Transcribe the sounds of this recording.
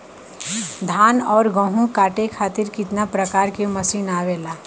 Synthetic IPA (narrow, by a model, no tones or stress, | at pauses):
d̪ʱaːnɔːɾɡə̃ɦũkaːʈekʰaːt̪ɪɾkɪt̪napɾəkaːɾkemɐsiːnaːʋeːlaː